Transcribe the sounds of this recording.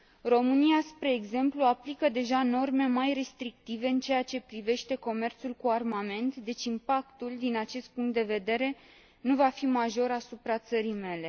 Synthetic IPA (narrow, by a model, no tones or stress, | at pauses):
ro̞mɨniaspɾe̞ːɡze̞mpluaplikəd̪e̞ʒano̞rme̞majre̞st̪ɾik̚t̪ive̞ɨnt͡ʃe̞jat͡ʃe̞pɾive̞ʃt̪e̞ko̞me̞rt̪sulkuarmame̞nt̪d̪e̞t͡ʃʲimpakt̪uld̪inat͡ʃe̞st̪̚puŋk̚t̪d̪e̞ve̞d̪e̞ɾe̞ | nuvafimaʒo̞ɾasupɾat̪səɾijme̞le̞